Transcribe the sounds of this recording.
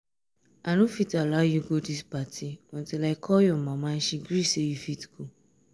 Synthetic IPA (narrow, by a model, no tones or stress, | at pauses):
anũfitalajuɡodispatiɔ̃ntilaikʰɔjɔmãmãʃiɡɾisejufitɡ̥o